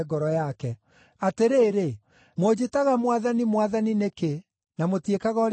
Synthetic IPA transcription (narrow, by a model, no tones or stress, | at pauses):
ɡɔɾɔjakɛ | ateɾeːɾe | mwod͡ʑetaɣamwaðanimwaðanineke | namotiekaɣɔɾ